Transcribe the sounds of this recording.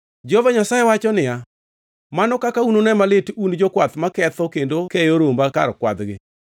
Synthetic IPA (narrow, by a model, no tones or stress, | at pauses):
d͡ʒovaɲasajewat͡ʃɔnɪja | manɔkakaunonɛmalɪtund͡ʒɔkwat̪makɛt̪ɔkendokɛjoɾombakaɾkwa̰d̪ɡɪ̰